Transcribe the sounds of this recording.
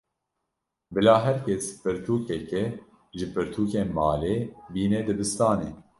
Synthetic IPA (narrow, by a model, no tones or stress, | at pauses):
bɨlaːɦɛɾkʰɛspɨɾt̪ʰuːkɛkɛ | ʒɨpɨɾt̪ʰuːkeːnmɑːleːbiːnɛd̪ɨbɨst̪ɑːneː